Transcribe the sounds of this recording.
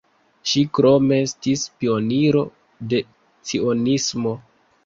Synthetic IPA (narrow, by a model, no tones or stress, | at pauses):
ʃikɾo̞me̞stispio̞niɾo̞ | de̞ | t͡sio̞nismo̞